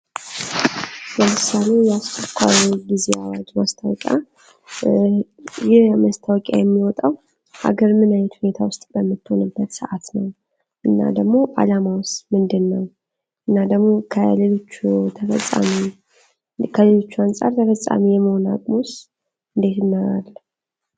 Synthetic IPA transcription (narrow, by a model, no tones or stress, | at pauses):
bəmɨsːale̞jɛast͡ʃʰʼəkʷʰaɾɡizeawad͡ʒmast̪ʰawɔ̰kʼja̰ | jɪhmast̪ʰawɔkʼja̰jɛmːiwɔt̪ʼaw | ʔa̰ɡəɾmɨnajɛt̪hune̞t̪ʰawʊst̪ʼbəmːɨt̪ːho̰nɨbːət̪sɨʔat̪nəw | ʔɨnːa̰d̪əɡmo̞ʔa̰lamawʊst̪mɨnd̪ɨnːəw | ʔɨnːad̪əɡmo̞kʰəlelot͡ʃːut̪ʰəfə̰sʼa̰mi | kʰəlelot͡ʃːuansʼa̰ɾt̪ʰəfəsʼa̰mijɛməhona̰kʼmus | ɨnd̪e̞t̪ɨnːəɾalː